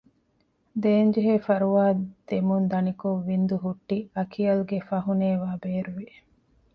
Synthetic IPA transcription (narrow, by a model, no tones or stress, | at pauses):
d̪eːnd͡ʒiɦeːfɐɾuʋaːd̪̥emund̪ɐnikoʋːind̪uɦuʈːiɐkʰiɐluɡefɐɦuneːʋaːbeːɾuʋi